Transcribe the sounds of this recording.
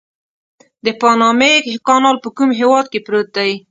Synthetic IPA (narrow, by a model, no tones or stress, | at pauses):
d̪əpɑnɑmekɑnɑlpəkumɦewɑd̪̚kepɾot̪ai